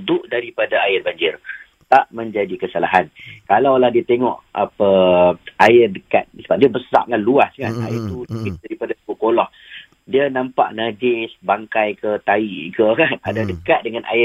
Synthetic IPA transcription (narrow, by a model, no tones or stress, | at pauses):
nt̪ʊʔdaɾipadaajɪrbaɲd͡ʒɪr | t̪aʔmə̃ɲd͡ʒadikəsalaɦankalawlahdiat̪eŋɔ̰̃ʔapə | aɪrdəka̰t̪̚səbaʔ̚diabəsa̰ʔ̚ŋanluaskana̰ɪrt̪ukidaɾipadasə̥kukolɔh | diənãmpa̰ʔnad͡ʒɪsbaŋkajkət̪aiʔkəkanadadəkat̪̚dəŋanʔa̰ɪ